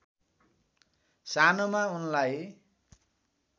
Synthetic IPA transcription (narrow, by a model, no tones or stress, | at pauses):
sanomaunlaj